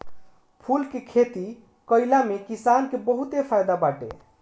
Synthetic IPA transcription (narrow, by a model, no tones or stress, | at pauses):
pʰulkekʰet̪i | kəɪlamekisankebəɦut̪epʰajd̪abaʈḛ